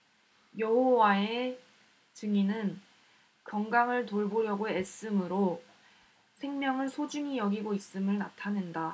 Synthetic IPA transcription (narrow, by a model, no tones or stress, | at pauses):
jʌɦowae | t͡ɕɯŋinɯn | kʌŋɡaŋɯɭtoɭboɾjʌɡoes͈ɯmɯɾo | sʰe̞ŋmjʌŋɯɭsʰod͡ʑuŋijʌɡiɡois͈ɯmɯɭnatʰanɯnda